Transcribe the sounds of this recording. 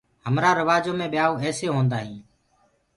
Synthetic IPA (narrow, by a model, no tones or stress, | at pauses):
həmɾaːɾəʋaːd͡ʒõːmẽːɓɪjaːoːɛːseːɦõːnd̪aːɦĩː